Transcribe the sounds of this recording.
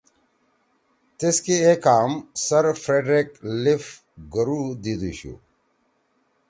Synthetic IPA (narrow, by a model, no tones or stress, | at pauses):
t̪eskiekaːmsɐɾfɾeɖɾeklif | ɡəɾud̪id̪uɕṵ